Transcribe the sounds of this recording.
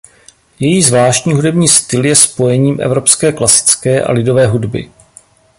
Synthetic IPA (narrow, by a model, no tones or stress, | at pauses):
jɛjiːzvlaːʃcɲiːɦudɛbɲiːst̪ɪljɛspo̞jɛɲiːmʔɛ̰vɾo̞pskɛːklasɪ̥t͡skɛːʔa̰lɪdo̞vɛːɦudbɪ̰